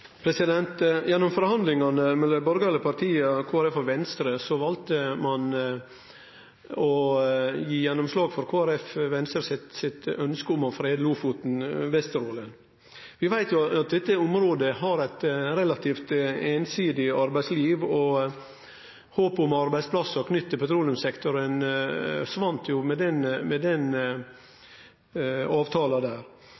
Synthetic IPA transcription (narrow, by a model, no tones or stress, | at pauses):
pʰɾɛsɪd̪ɛnt̪jɛnːɔmfɔɾhɑnd̪lɪŋɑnəmɛləbɔɾɡɑləpʰɑɾt̪ʰiːəkʰoːæɾɛfːɔɾʋɛnst̪ɾəsɔʋɑlt̪əmɑn | ɔ | jiːjɛnːʊmslɑːɡfɔɾkʰoːæɾɛfʋɛnst̪ɾsɪt̪sɪt̪œnskəʊmɔfɾeːd̪luːfut̪n̩ʋɛst̪əɾoːlə | ʋɪʋæɪt̪jʊɑt̪̚d̪ɛt̪ːəʊmɾoːd̪əɦɑɾæɪt̪ɾɛlɑt̪ʰiːft̪eːnsiːd̪ɪɑɾbæɪsliːʋɔ | hoːpʊmɑɾbæɪspʰlɑsːɔkʰnʏt̪ːəpʰɛt̪ʰɾuːlɪʊmsɛkt̪ʊɾən | ʂʋɑnt̪ʰjʊmɛd̪ɛnmɛd̪ɛn | ɑːʋt̪ʰɑːlɑd̪æːɾ